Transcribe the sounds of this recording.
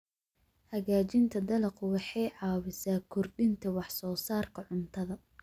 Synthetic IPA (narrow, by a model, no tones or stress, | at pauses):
hɐɣaːt͡ʃɪnt̪ʰɐd̪ɐlɐqʊwɑħɑjʕɑːwɪsaːkʰʊrɖɪnt̪ʰɐwɑħsɔːsaːrkʰɐʕʊnt̪ʰɐðɐ